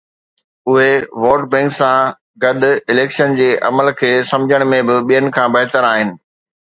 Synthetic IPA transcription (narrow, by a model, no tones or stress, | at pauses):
ʊɦeʋɔːɾʈbɛ̃ːŋksã | ɡɐɗʊ̆ɪleːkʃənd͡ʑeːʔɐ̰məlkʰeːsɐ̃md͡ʑʱəɽ̃mẽbɪɓijənɪ̆kʰãbɐɦɪt̪əɾaːɦɪnɪ̆